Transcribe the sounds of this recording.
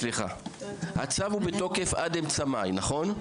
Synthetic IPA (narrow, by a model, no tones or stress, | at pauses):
liχa̰ha̰t͡savubeto̞ke̞fa̰demt͡samajnaχo̞n